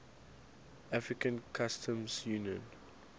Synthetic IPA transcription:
afɹikə̃nkʰastʰə̃mzjuːnjə̃n

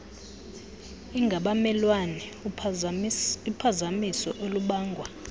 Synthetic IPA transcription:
iŋɡʱaɓamɛlwanɛ | upʰazamisɔʔoluɓaːŋɡʱwa

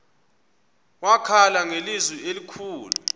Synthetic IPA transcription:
wakʰalaŋelizwielikʰuːlu

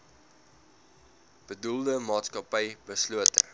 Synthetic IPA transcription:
b̥ədulˠdəmɑːtskɐpəjb̥əsluətə̰

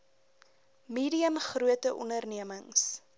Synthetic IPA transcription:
miːɾiəmχruətəʔɔ̰ndərniəməŋs

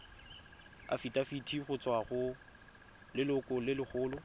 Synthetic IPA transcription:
a̰fitʼafitʰiχʊt͡sʼwaχʊ | lɪlʊkʼʊlɪlɪχʰʊːlʊ

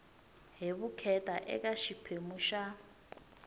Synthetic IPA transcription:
ɦeβukʰɛtʼaʔɛ̰kaʃipʰemuʃa

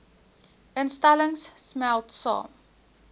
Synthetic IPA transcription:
ɪ̃nstaləŋssmɛltsɑ̰ːm

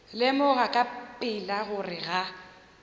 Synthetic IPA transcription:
lɪmʊɣakʼapʼɪlaɣʊrɪɣa

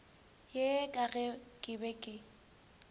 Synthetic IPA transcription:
jekʼaɣɛkʼɪbɛkʼɪ

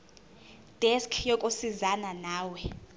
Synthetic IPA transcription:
d̥ʱɛskʰjɔkʼusizananaːwɛ

